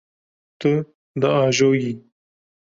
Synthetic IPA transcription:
t̪ə | d̪əɑʒoji

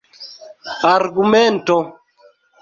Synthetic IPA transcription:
aɾɡumɛntɔ

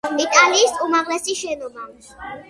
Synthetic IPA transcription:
it̪ʼaliːsumaʁlɛsiʃɛnɔmas

